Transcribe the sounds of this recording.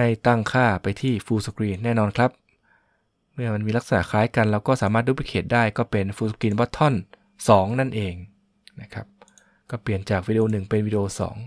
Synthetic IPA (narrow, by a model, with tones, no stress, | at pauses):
a˥˩jt̪a˥˩ŋkʰaː˥˩pa˧jt̪ʰiː˥˩fuː˧skɾiː˧nːɛː˥˩nɔː˧nkʰla˦˥p̚ | mɯ˥˩ɐma˧nmiː˧la˦˥k̚sa˧na̰˨˩ʔkʰaː˨˦˥jka˧nlɛː˦˥wkɔː˥˩saː˩˦maː˥˩t̪̚duː˦˥˩pi˥˩kʰeː˨˩t̪̚daː˥˩jkɔː˥˩pe˧nfuː˧skɾiː˧nbɔ˦˥t̪ʰːɔ˥˩n | sɔː˩˦ŋna˥˩nʔeː˧ŋ | na˦˥kʰɾa˦˥p̚ | kɔː˥˩pli˨˩ənt͡ɕaː˨˩k̚wiː˧di˧ʔoː˧nɯ˨˩ŋpe˧nwiː˦˧di˧ʔoː˧sɔ̰ː˩˦ŋ